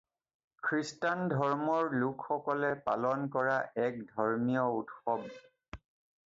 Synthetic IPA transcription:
kʰɹistandʱɔɹmɔɹlukʰxɔkɔlɛpa̰lɔnkɔɹaʔɛk̚dʱɔɹmijɔutxɔb

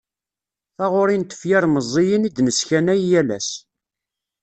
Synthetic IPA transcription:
θaʁʊɾint̪ə̥fjaɾˤməzˤːɪjənid̪nəsçænæjjælæ̰s

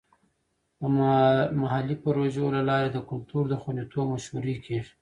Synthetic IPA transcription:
əmaɦalipaɾoʒolalɑɾed̪əkʊlt̪uɾd̪əxwand̪it̪obmaʃwuɾikʰi

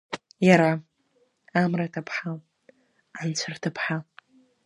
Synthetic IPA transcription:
jaɾa | amratʰapʰħal | ant͡ɕʷʰartʰapʰħal

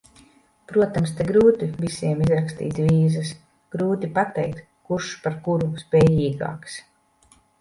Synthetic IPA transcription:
pɾuɔt̪amst̪eɡɾuːt̪ivisiɛmizɾakst̪ḭːt̪viːzas | ɡ̥ɾuːt̪ipat̪ɛjk̚t̪ | kuɾʃpaɾkuɾuspʲɛːjiːɡa̰ːks

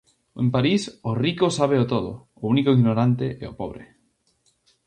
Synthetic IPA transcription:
ḛ̃mpaɾisorikosaβ̞eot̪oðo̰ | ounikoiɣnoɾant̪eʔɛ̰opo̰β̞ɾḛ

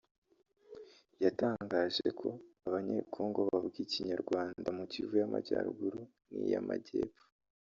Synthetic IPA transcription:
jataːŋɡaʒekʰo̞aβaɲekʰoːŋɡoβaβɡiciɲaɾɡwaːndamucivujamaɟaːɾṵɡuɾu | nḭjamaɟeːpfo̥

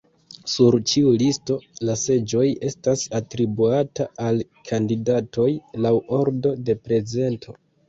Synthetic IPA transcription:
suɾt͡ʃiulisto̞lase̞d͡ʒo̞je̞stasatɾibuataal | kʰandidatʰo̞jlawʔo̞ɾdo̞de̞pɾe̞ze̞ntʰo̞

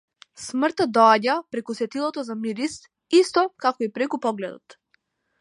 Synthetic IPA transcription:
smr̩t̪ad̪ɔaɟapɾɛkusɛt̪ilˠɔt̪ɔzamiɾist̪ | ist̪ɔkakɔipɾɛkupɔɡlɛd̪ɔ̰t̪

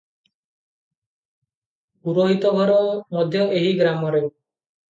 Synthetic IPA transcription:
uɾoɦit̪ɔɡʱɔɾɔmɔd̪ʱjɔʔeɦiɡɾamɔɾe

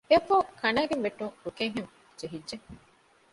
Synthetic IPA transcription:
eɐfoːkʰɐnaːɡemʋeʈːuŋɾukeŋɦem | d͡ʒeɦidd͡ʒe

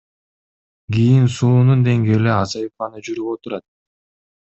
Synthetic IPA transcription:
ɡʲijinsuːnund̪e̞ŋɡe̞ːleɑsɑjifɑnɯd͡ʒyɾyβot̪uɾɑt̪̚

